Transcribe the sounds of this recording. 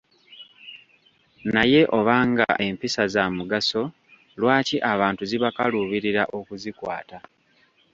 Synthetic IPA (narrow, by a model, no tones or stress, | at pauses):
naje̞ʔo̞βaːŋɡa̰ʔe̞mpisazamuɡaso̞ | lwaːciʔaβaːntuziβakaluβiɾiɾaʔo̞kuzikwa̰ːta